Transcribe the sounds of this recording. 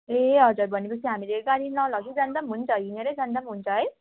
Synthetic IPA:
eɦʌd͡zuɾbʱʌnepʌt͡sʰiɦamileɡaɾinʌlʌɡt͡sʰud͡zʌnd̪ʌmɦunt͡sʰʌɦineɾed͡zʌnd̪ʌmɦunt͡sʰʌɦʌj

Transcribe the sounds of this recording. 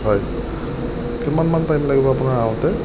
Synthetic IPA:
ɦɔj | kimanmantajmlaɡibɔapunaɹãtɛ

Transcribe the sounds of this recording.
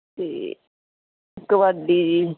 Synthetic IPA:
t̪ḛː | kəʋaɖiːd͡ʒiː

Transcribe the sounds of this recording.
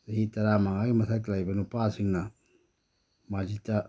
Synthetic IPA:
seɦitaɾamaŋaɡimasaklajbanupasiŋna | mad͡ʒita

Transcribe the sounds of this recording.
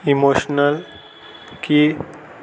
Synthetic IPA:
imoʃnəl | ki

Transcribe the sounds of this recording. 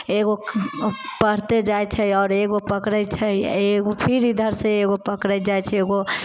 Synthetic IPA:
eɡo | pəɽ̤t̪ed͡ʒajt͡ʃʰəɔːɾeɡopəkɾəjt͡ʃʰəeɡopʰiɾid̪ʱəɾsẽeɡopəkɾəj̪d͡ʒajt͡ʃʰɛeɡo

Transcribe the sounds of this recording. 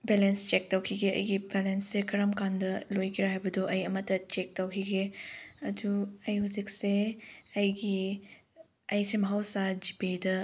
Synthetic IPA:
belenst͡ʃek̚tɐwkʰiɡeɐ̰jɡibelensːekʰɐɾɐmkandɐlojkiɾaɦajbɐdoʔɐjɐmɐtːɐt͡ʃek̚tɐwkʰiɡeɐduɐjhuzik̚seɐjɡi | ɐjsʰemɦawsad͡ʒipedɐ

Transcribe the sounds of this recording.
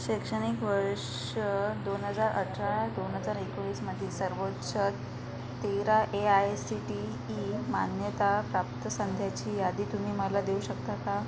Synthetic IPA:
ɕekʂəɽ̃ikʋəɾʂ | d̪onɦəd͡zaɾʔə̰ʈʰɾad̪onɦəd͡zaɾekʋiːsməd̪ʱːisəɾʋotɕət̪ː | eɾaʔeajsiʈiː | manjət̪apɾap̚t̪əsənd̪ʱjat͡ɕiːjad̪iːt̪um̤iːməlad̪euɕək̚t̪aka

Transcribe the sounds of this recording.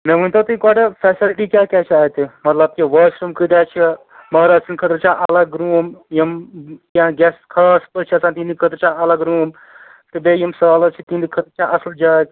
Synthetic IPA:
meʋunʲt̪ʰɐt̪ɨkɔːʈepʰɛːsilʈikʲaːkʲat͡ʃʰaːɦt̪ʰimɐt̪lɐb̚kiʋəːsɾumkəd̪at͡ʃʰi | mɐɦɾaːd͡ʒsʰinkʰət̪ɾt͡ʃʰãʔɐlaɡɾuːmjimk̪ãɡʲɛskʰaspəɾt͡ʃʰiɐsãːt̪inikʰət̪ɾt͡ʃʰãɐlaɡɾuːm | t̪ɨbejimsalɐt͡ʃʰit̪ind̪ikʰət̪ɾt͡ʃʰãʔɐsld͡ʒaːt̪

